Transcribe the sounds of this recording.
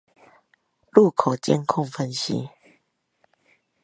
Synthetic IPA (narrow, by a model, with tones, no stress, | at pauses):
lu˥˧˨kʰo˨˩t͡ɕɛ̰˧˦ŋkʰɔ˥˧˨ŋfə˧nɕḭ˧˦